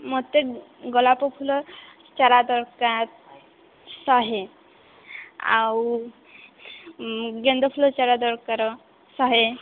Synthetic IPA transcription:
mot̪ːe | ɡɔlapɔpʰulɔ | t͡ʃaɾad̪ɔɾkat̪̚ | sɔɦe | a̰w | ɡend̪ɔpʰulɔt͡ʃaɾad̪ɔɾkaɾɔ | sɔɦe

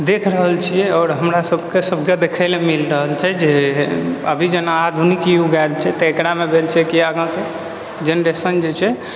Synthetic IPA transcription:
d̪ekʰɾəɦəlt͡ʃʰijɛɔːɾɦəmɾasəbʱkesəbʱked̪ekʰəlemilɾəɦəlt͡ʃʰɛd͡ʒe | ə̰bʱid͡ʒənaad̪ʱunikiuɡalt͡ʃʰɛt̪əekɾamebʱelt͡ʃʰɛkiaɡãke | d͡ʒenɾesənd͡ʒet͡ʃʰɛ

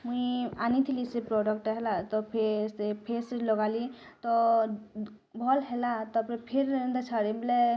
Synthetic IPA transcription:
muianit̪ʰilisepɾɔɖɔk̚ʈɔɦɛlat̪ɔpʰesepʰeslɔɡali | t̪ɔ | bʱɔlɦelat̪ɔpɾepʰeɾnd̪at͡ʃʰaɽible

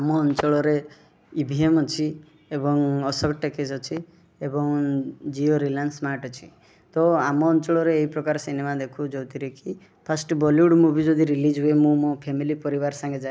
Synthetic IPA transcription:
amɔːnt͡ʃɔɭɔɾe | ibʱiemɔt͡ʃʰi | ebɔŋɔsɔkʈekesɔt͡ʃʰi | ebɔŋd͡ʒioɾilansmaʈɔt͡ʃʰi̥ | t̪ɔamɔːnt͡ʃɔɭɔɾeːɦipɾɔkaɾɔsinemad̪ekʰud͡ʒowt̪iɾekʰi | pʰasʈbɔljuɽmubʱid͡ʒɔd̪ʱiɾilid͡ʒɦuemũmõpʰemilipɔɾibaɾsãŋɡed͡ʒae

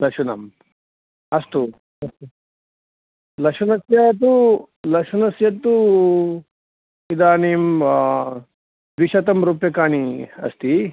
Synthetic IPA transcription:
lɐkʂunɐm | ɐst̪u | ɐst̪u | lɐkʂɐnɐsjat̪u | lɐkʂɐnɐsjɐt̪ːu | id̪aːneːm | d̪ʋiʃɐt̪ɐmɾupjɐkaːɳiɐ̰st̪i

